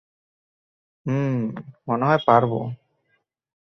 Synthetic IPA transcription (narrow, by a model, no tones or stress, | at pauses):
moneɦɔjpaɾbo̰